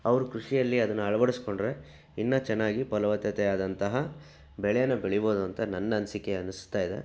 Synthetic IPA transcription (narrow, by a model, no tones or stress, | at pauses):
ɐʋɐɾukɾuʂijɐlːiɐd̪ɐnːuɐɭɐʋɐɽisko̞ɳɖɾe̞ | inːɐt͡ʃɛnːaːɡipɐlɐʋɐt̪jɐt̪ɛjaːd̪ɐnt̪ɐɦɐ | bɛɭɛjɐnːɐbeɭɛjboːd̪uɐnt̪ɐnɐnːɐːnsikeɐnust̪ːaːjid̪e̞̰